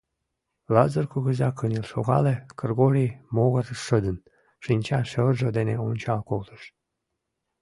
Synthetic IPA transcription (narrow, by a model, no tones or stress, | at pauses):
lɑzərkuɣəzɑkənʲilʃoɣɑlekərɣoɾʲimoɣərʃəd̪ən | ʃinʲt͡ɕɑʃəlʒod̪eneonʲt͡ɕɑlkolt̪əʃ